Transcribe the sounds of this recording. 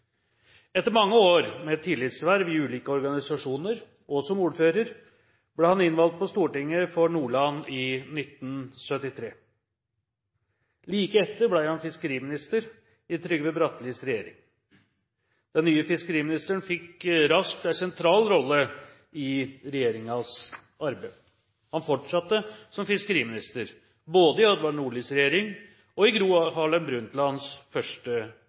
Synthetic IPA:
ɛt̪ːəɾmɑŋːəoːɾmɛt̪ʰːɪlːɪt̪sʋæɾʋɪʉːliːkəɔɾɡɑnɪsɑʂuːnəɾ | ʔɔsɔmuːɾføːɾəɾ | bleːhɑnɪnʋɑlt̪̚pʰɔst̪uːʈɪŋːəfɔɳuːɭɑnɪnɪt̪nsœt̪ːɪt̪ʰɾeː | liːkəɛt̪ːəɾblæɪhɑnfɪskəɾiːmɪnɪst̪əɾ | ɪt̪ʰɾʏɡəʋɛbɾɑt̪liːsɾɛjeːɾɪ̰ŋ | d̪̥ɛnːyːəfɪskəɾiːmɪnɪst̪əɳfɪkɾɑsk̚t̪æsɛnt̪ʰɾɑːlɾɔlːə | ɪɾɛjeːɾɪŋɑs | ɑɾbæ | hɑnfɔʈʂɑt̪ːəsɔmfɪskəɾiːmɪnɪst̪əɾ | boːd̪əɪɑd̪ʋɑɳuːɭɪsɾɛjeːɾɪŋ | ɔɪɡɾuːɑhɑːlənbɾʉnt̪lɑnsfœʂʈə

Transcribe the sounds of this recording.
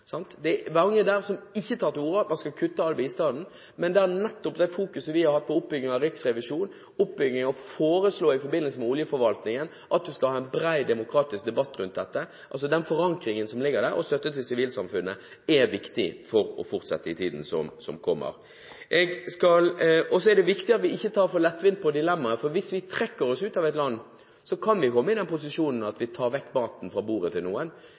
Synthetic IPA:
sɑnt̪d̪ɛʋɑŋːəd̪æɾsɔmɪçːət̪ʰɑːɾt̪ɪuːɾəɑt̪mɑnskɑkʰʉt̪ːəɑlbɛiːst̪ɑːd̪n̩ | mɛnd̪ɛæɾnɛt̪ːɔpd̪æɪfuːkʉsəʋɪhɑɾhɑt̪̚pʰɔʊp̚bʏɡnɪŋɑɾɪksɾɛʋɪʂuːn | ʊpbʏɡɪŋɔfoːɾəsloːɪfɔɾbɪnəlsəmɛʊljəfɔɾʋɑlt̪nɪŋən | ʔɑt̪̚d̪ʉskɑlhɑːɛnbɾæɪd̪ɛmʊkʰɾɑːt̪ɪsk̚d̪ɛbɑt̪ːɾʉnt̪̚d̪ɛt̪ːə | ʔɑls̬ɔd̪ɛnfɔɾɑŋkɾɪŋənsɔmlɪɡːəɾd̪æɾɔ̰st̪œt̪ːət̪ʰɪlsɪʋiːlsɑmfʉnːə | ɛʋɪkt̪ɪ̰fɔɾɔ̰fʊɾt̪sɛ̰t̪ːəɪt̪ʰiːd̪n̩sɔ̰msɔmkʰɔmːə̰ɾ | ʔɛɡskɑlɔs̬ɔɛd̪ɛʋɪkt̪ɪɑt̪ʋɪɪçːət̪ʰɑːɾfɔlɛt̪ːʋɪnt̪̚pʰɔd̪ɪlɛmːɑəfɔɾʋɪsʋɪt̪ʰɾɛkːəɾɔsʉːt̪ɑʋɛɪt̪lɑnː | sɔkʰɑnʋɪkʰɔmːəɪd̪ɛnpʊs̬ɪʂuːnn̩ɑt̪ʋɪt̪ʰɑːɾʋɛkːmɑːt̪n̩fɾɑbuːɾət̪ʰɪlnuːən

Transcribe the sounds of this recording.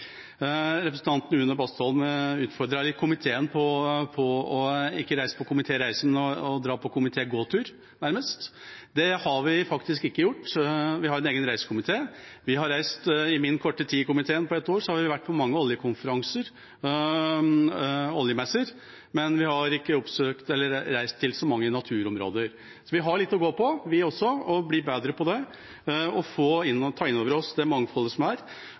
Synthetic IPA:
ɾɛpɾəsnt̪ʰɑnt̪nəʉnəbɑst̪ʰɔlmʉːt̪fɔɾɖ̪ɾɑlɪkʰʊmɪt̪ʰeːənpʰɔpʰɔɔɪkːəɾæɪsə̥pʰɔkʰʊmɪt̪ʰeːɾæɪsəmɛnɔɔd̪ɾɑːpʰɔkʊmɪt̪ʰeːɡoːt̪ʰʉːɾ | næɾməst̪ | d̪ɛhɑɾʋɪfɑkt̪ɪskɪkːəjʊʈːʋɪhɑɾɛneːɡənɾæɪsə̥kʰʊmɪt̪ʰeːʋɪɦɑɾæɪst̪ɪmɪnːkʰɔʈːət̪ʰiːkʊmɪt̪ʰeːənpʰɔɛt̪ːoːɾsɔhɑɾʋɪʋæʈːpʰɔmɑŋːəɔljəkʰʊnfəɾɑŋsəɾ | ɔljəmɛsːəɾ | mɛnʋɪhɑɾɪkːəɔpsøːkt̪ɛlːəɾːæɪst̪ʰːɪlsɔmɑŋːənɑt̪ʰʉːɾɔmɾo̰ːd̪əɾ | sɔʋɪɦɑɭɪt̪ːɔɡoːpʰɔʋɪɔsːɔɔbliːbeːd̪ɾəpʰɔd̪ɛ | ɔfoːɪnːt̪ʰɑːɪnːoːʋəɾɔsd̪ɛmɑŋfɔlːəsɔmæɾ

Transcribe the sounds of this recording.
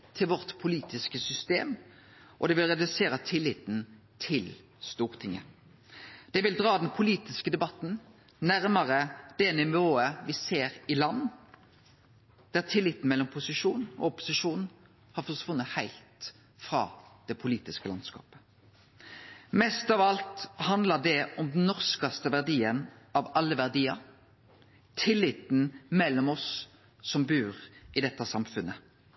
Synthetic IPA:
t̪ʰɪlʋɔʁt̪pʰʊliːt̪ɪskəsʏst̪eːm | ʔɔd̪ɛʋɪlʁɛd̪ʉseːɾət̪ʰɪlːɪt̪n̩t̪ʰɪl | st̪uːʁt̪ʰɪŋːə̰ | d̪̥ɛʋɪld̪ʁɑːd̪ɛnpʰʊliːt̪ɪskəd̪ɛbɑt̪n̩ | næʁməʁəd̪̥ɛnɪʋoːəʋɪseːʁɪlɑnː | d̪̥æʁt̪ʰɪlːɪt̪n̩mɛlːɔmpʰʊsɪʂuːnɔ̰ɔpʊ̥sɪʂuːnn̩ | hɑɾfɔʂʋʊnːət̪hæɪlt̪ | fɾɑ̰ːd̪̥ɛpʰʊliːt̪ɪskəlɑ̰nskɑ̰ːpə̥ | mɛst̪ɑʋɑlt̪hɑnd̪lɑɖɛɔmd̪nnːɔʁskɑst̪əʋæʁd̪iːənʔɑʋɑlːəʋæʁd̪iːɑ̰ɾ | t̪ʰɪlːɪt̪n̩mɛlːɔmɔs | sɔmbʉːʁɪd̪ɛt̪ːəsɑmfʉnːə

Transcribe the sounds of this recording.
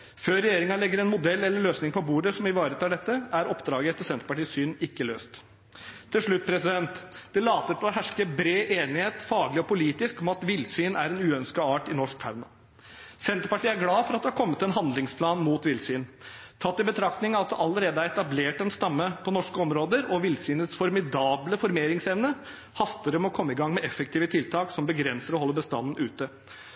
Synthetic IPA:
føːɾɛjeːɾɪŋɑlɛɡːəɾɛnmʊd̪ɛlːɛlːəɭøːsnɪŋpʰɔbuːɖəsɔmɪʋɑːɾət̪ʰɑːɖɛt̪ːəæɾɔpd̪ɾɑːɡəɛt̪ːəsɛnt̪ɾəpɑʈiːssyːnɪkːəlø̰ːst̪ʰː | ɪlʂɭʉt̪̚ːpʰɾɛsɪd̪ɛnt̪d̪̥ɛlɑːt̪əɪlɔɦæʂkəbɾeːʔeːnɪheːt̪fɑːɡlɪɔpʊliːt̪ɪskɔmɑt̪ʋɪlsyːnæ̰ɾɛnʉːœnskɑɑːʈɪnɔʂk̚t̪ʰaʉnɑ | sɛnt̪ɾəpɑʈiːəæɾɡlɑːfɔɾɑt̪d̪ɛhɑɾkʰɔmːət̪ɛnɦɑnd̪lɪŋspʰlɑːnmuːt̪ʋɪlsyːnt̪ʰɑt̪ːɪbət̪ʰɾɑkt̪nɪŋɑt̪̚d̪ɛʔɑlːəɾeːd̪əæɾɛt̪ɑbleːʈɛnst̪ɑmːəpʰɔnɔʂkəɔmɾoːd̪əɾɔʋɪlsyːnət̪sfɔɾmɪd̪ɑːbləfɔɾmeːɾɪŋsɛʋnə | hɑst̪əɾəmɔkʰɔmːəɪɡɑŋmɛʔɛfək̚t̪ʰiːʋət̪ʰɪlt̪ʰɑːksɔmbəɡɾɛnsəɾɔhɔlːəbəst̪ɑ̰nn̩ʉːt̪ə

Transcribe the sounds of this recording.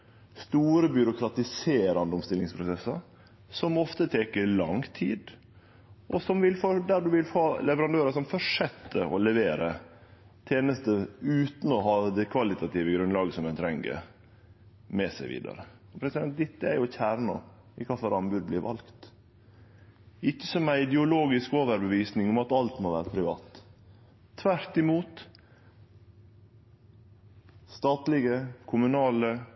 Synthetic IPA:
st̪uːɾəbjʏɾʊkʰɾɑt̪ɪseːɾɑnd̪əɔmst̪ɪlɪŋspʰɾʊsɛsːɑɾ | sɔmɔft̪ət̪ʰeːkəlɑŋt̪ʰiːd̪ | ʔɔsɔmʋɪlfɔd̪æɖʉʋɪlhoːlɛʋəɾɑnd̪øːɾɑsɔmfɔʂɛt̪ːəʔɔlɛʋeːɾə | t̪ʰeːnəst̪əʉːt̪n̩ɔɦɑːd̪ɛkʰʋɑlɪt̪ɑt̪iːʋəɡɾʉnlɑːɡəsɔmɛnt̪ʰɾɛŋɡə̰ | mɛsæɪʋḭːd̪ɑ̰ɾə | ɔpʰɾɛsɪd̪ɛnt̪̚d̪ɪt̪ːəæɾjʊçæːɾɳɑ̰ | ɪkʰɑfɔɾɑnbʉd̪̚blɪɾʋʔɑ̰lkt̪ | ɪçːəsɔmæɪɪd̪ɛʊloːɡɪskoːʋəɾbəʋiːsnɪŋɔmɑt̪ɑlt̪moːʋæːɾəpʰɾɪʋɑ̰ːt̪ʰː | ʋæɾt̪ɪmuːt̪ | st̪ɑːt̪lɪɡəkʰʊmʉnɑːlə

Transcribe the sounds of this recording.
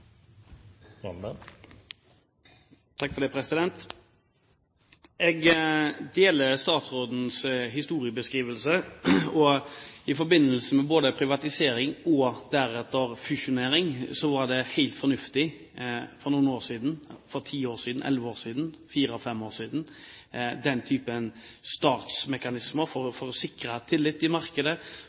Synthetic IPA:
t̪ʰɑkːfɔɾd̪ɛpʰɾɛsɪd̪ɛnt̪ | ɛɡd̪eːləst̪ɑːt̪sɾoːd̪n̩sɦɪst̪uːɾɪəbəskʁiːʋəlsəɔɪfɔɾbɪnːəlsəmɛboːd̪əpʰɾɪʋɑt̪ɪseːɾɪŋɔd̪æɾɛt̪ːəɾfʉʂʊneːɾɪŋsɔʋɑɖ̪ɛhæɪlt̪fɔɾnʉft̪ɪ | fɔɾnuːnoːɾʂiːd̪nfɔɾt̪ʰiːoːɾsiːd̪n̩ʔɛ̰lʋəoːɾsiːd̪n̩fiːɾəɔfɛmoːsiːd̪n̩ | d̪ɛnt̪ʰyːpən | st̪ɑːt̪smɛkɑnɪsməɾfɔɾfɔɾɔsɪkɾət̪ʰɪlːɪt̪ːɪmɑɾkəd̪ə

